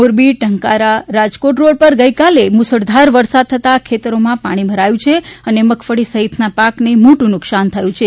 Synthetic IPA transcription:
moɾbiʈəŋkaɾaɾad͡ʒkoʈɾoɽ̚pəɾɡəikalemʊsəɽd̪ʱaɾʋəɾsad̪̚t̪ʰət̪akʰet̪əɾomãpaɽ̃ibʱəɾajũt͡ʃʰeəneməkʰfəɽisəɦit̪napaknemoʈũnʊksant̪ʰəjũt͡ʃʰe

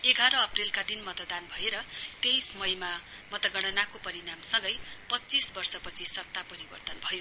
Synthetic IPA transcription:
eɡʱaɾʌːprilkad̪inmʌt̪d̪anbʱʌeɾʌt̪ejsʌmʌjma | mʌt̪ʌɡʌɽ̃ʌnakopʌɾinamsʌŋɡʌjpʌt͡sisbʌrsʌpʌt͡sʰisʌk̚t̪apʌɾibʌrt̪ʌnbʱʌjo

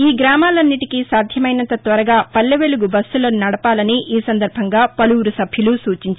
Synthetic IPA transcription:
iːɡɾaːmaːlɐnːiʈikisaːd̪ʱjɐmɐjnɐnt̪ɐt̪ʋɐɾɐɡaːpɐlːɐʋeluɡubɐsuloːnnɐɽɐpaːlɐniʔiːsɐnd̪ɐɾbʱɐŋɡaːpɐluwuɾusɐbʱjulusuːt͡ʃiɲt͡ʃ

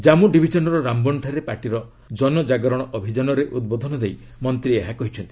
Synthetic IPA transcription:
d͡ʒamuɖibʱid͡ʒɔnɔɾɔɾambɔɳʈʰaɾepaʈiɾɔ | d͡ʒɔnɔd͡ʒaɡɔɾɔɽ̃ɔʔɔbʱid͡ʒanɔɾeʔud̪̚bod̪ʱɔnɔd̪ej | mɔnt̪ɾieɦakɔɦit͡ʃʰɔnt̪i̥

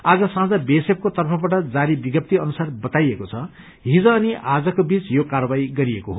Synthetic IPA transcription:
ad͡zʌsãd͡zʌbesep̚kot̪ʌrpʰʌbaʈʌd͡zaɾibiɡʌp̚t̪iʌnusarbʌt̪ajekot͡sʰʌ | ɦid͡zʌːniʔʔad͡zʌkobit͡sjokarʌbaiɡʌɾiekoɦo

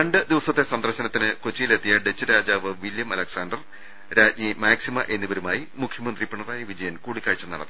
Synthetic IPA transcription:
ɐɳɖɨd̪iʋɐsɐt̪ːesɐnd̪ɐrɕɐnɐt̪ːinɨkot͡ɕːijile̞t̪ːijɐɖet͡ɕːɨɾaːd͡ʑaːʋɨʋiljɐmɐlɐksaːndɐr | ɾaːtɲimaːksimɐʔe̞nːibɐɾumaːjimukʰjɐmɐnd̪ripɐɳɐraːjɐʋid͡ʑɐjɐnkuːɽikːaːɻit͡ɕːɐnːɐɽɐð

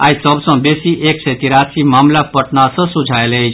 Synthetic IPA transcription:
ajsəbsʌ̃besiʔeksɛt̪iɾasimaːmlapəʈnasʌ̃sud͡ʒʱaelejt͡ʃʰ

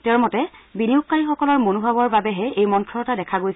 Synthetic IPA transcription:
tɛɹmɔtɛbiniʊkːaɹixɔkɔlɔɹmonubʱabɔɹbabɛɦɛejmɔntʰɹɔtadɛkʰaɡojs

